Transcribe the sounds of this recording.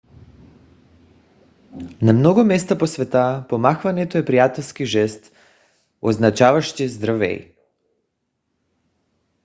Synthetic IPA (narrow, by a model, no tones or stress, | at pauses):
namnɔɡumɛst̪aposvɛt̪apomaxvanɛt̪oɛpɾijat̪ɛlˠskiʒɛst̪ | oznat͡ʃavaʃt̪izd̪ɾavɛ̰j